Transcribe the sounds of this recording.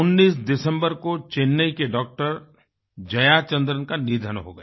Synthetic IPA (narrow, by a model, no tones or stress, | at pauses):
ʊnːiːsd̪ɪsə̃mbəɾkot͡ʃenːəikeɖɔːk̚ʈəɾ | d͡ʒɐjat͡ʃə̃nd̪ɾənkanid̪ʱənɦo̰ɡɐja